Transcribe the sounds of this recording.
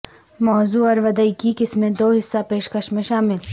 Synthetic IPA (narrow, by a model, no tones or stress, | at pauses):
mɔːzuːɔɾʋɐd̪əikikɪsmẽd̪oːɦɪsːapeːʃkəʃmẽʃaːmɪl